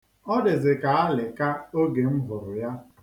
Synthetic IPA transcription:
ɔ˦dɪ˨zɪ˨ka˨a˦lɪ˨ka˦o˦ɡe˨m̩˦ɦʊ˨ɾʊ˨ja˦

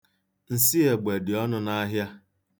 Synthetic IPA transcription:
n̩˨si˦e˨ɡ͡be˨dɪ˨ɔ˦nʊ˦na˦ɦja˦

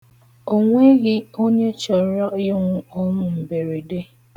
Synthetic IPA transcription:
o˦ŋʷe˦ɣɪ˦o˦ɲe˦t͡ʃɔ˨˦ɾɔ˦ɪ˦ŋʷʊ˦ɔ˦ɾʊ̃˦m̩˨be˨ɾe˨de˦

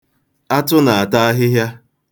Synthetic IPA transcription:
a˦tʊ˦na˨a˨ta˦a˦ɦɪ˦ɦja˦

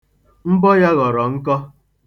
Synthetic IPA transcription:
m̩˦bɔ˦ja˦ɣɔ˨ɾɔ˨ŋ̩˦kɔ˦

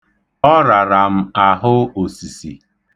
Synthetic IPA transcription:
ɔ˦ɾa˨ɾa˨m̩˦a˨ɦʊ˦o˨si˨sḭ˨

